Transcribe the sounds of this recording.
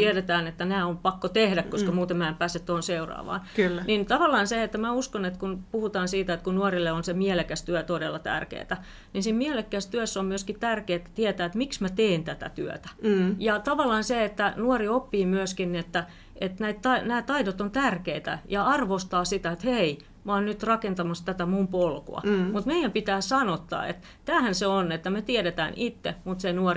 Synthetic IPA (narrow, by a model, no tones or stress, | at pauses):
t̪iɛɾet̪æːnet̪ːænæːompɑkːot̪ehdækkoskɑmuːt̪emæempæːset̪t̪ohonseurɑ̰ːʋɑ̰ːnkylːnint̪ɑʋɑlːˑɑːnseet̪ːæmæuskonet̪kunpuhut̪ɑːnsiːt̪æet̪kunnuorilːeonsemielekæst̪yøt̪odelːɑt̪æ̰rkḛːt̪æ | ninsimmielekːæst̪yøsːommyøskit̪ærkeːt̪ːt̪iæt̪æːet̪miksmæt̪eːnt̪æt̪æ̰t̪yø̰t̪æ̥jɑt̪ɑʋɑlːɑːnseet̪ːænuɔriopːiːmyøskinniet̪ːæ | ʔet̪næit̪t̪ɑnæːt̪ɑidot̪ont̪ærkeit̪æ̰jɑɑrʋost̪ɑːsit̪æet̪hei | moːnnyt̪rɑkent̪ɑmɑst̪æt̪æmumpolko̰ɑ̰mut̪meijæmpit̪æːsɑnot̪ːɑ̰ːḛt̪ | t̪æːhænseonet̪ːæmet̪iɛɾet̪æ̰ːnʔit̪ːḛmut̪senuɔ